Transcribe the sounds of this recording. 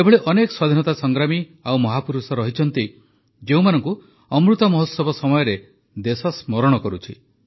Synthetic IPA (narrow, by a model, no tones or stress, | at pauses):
ebʱɔɭeʔɔnekɔ̥swad̪ʱinɔt̪asɔŋɡɾamiawmɔɦapuɾusɔɾɔɦit͡ʃʰɔn̪t̪i | d͡ʒeũmanɔŋku | ɔmɾut̪ɔmɔɦɔt̪sɔbɔsɔmɔjɔɾe | d̪esɔsmɔɾɔɽ̃ɔkɔɾut͡ʃʰi